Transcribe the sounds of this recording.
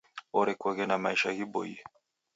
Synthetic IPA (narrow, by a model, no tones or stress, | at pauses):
ɔɾɛkwɛɣɛnamaiʃahibɔ̰ḭ